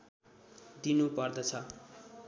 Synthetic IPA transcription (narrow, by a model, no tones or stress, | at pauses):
d̪inupʌrd̪ʌt͡sʰʌ